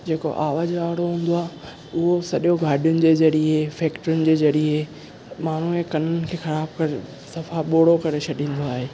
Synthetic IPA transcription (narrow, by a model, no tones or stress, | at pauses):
d͡ʑeːko̰ʔaːʋaːzaːɽoɦũːn̆d̪oaːɦ | ʊɦosɐɗjõɡʱaːɖijʊnɪ̆d͡ʑeːzɐɾiefɛːkʈəɾʊnɪ̆d͡ʑeːzɐɾie | maːɳ̤uekɐnənɪ̆kʰeːxɐɾaːbkɐɾe | sɐfaɓoːɽ̤okɐɾet͡ɕʰɐɗĩːn̆d̪oaːɦeː